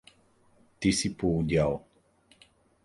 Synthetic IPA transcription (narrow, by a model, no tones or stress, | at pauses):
t̪isipuɟaw